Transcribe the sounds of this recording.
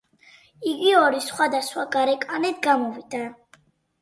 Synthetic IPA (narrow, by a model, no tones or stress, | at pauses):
iɡiɔɾisχwad̪asχwaɡaɾɛkʼanɛd̪ɡamɔvid̪a